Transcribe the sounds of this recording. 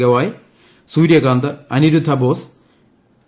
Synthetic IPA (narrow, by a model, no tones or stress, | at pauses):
ɣɐʋaːj | suːɾjɐɡaːnd̪ɨɐniɾud̪ʱːɐboːs